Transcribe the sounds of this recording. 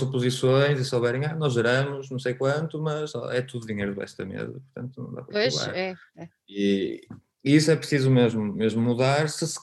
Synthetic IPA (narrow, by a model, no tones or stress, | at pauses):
zupuzisõj̃zisoβɛɾẽanɔzʒɨɾɐmʊʃnɐ̃w̃s̬ejkwɐ̃nt̪umɐzɔ̰ɛt̪uðuðiɲejɾuðɨβɛ̰ʃt̪ɐmḛzɐ̰pʊɾt̪ɐ̃nt̪unɐ̃w̃d̪a̰pɾɐoʃla̰ɾɛ | i | iisuɛpɾɨsizumeʒmumeʒmumuðaɾsɨs